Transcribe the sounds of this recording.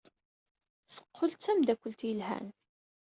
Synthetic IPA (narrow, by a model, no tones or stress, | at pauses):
θə̥qʰːolt͡sːæmd̪ækʷːəlt̪jəlɦæ̰n